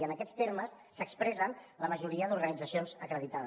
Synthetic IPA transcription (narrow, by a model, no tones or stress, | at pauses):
ənəkɛt̪st̪erməsːəkspɾɛzənləməʒuɾiəðuɾɣənid͡zəsionzəkɾəðit̪að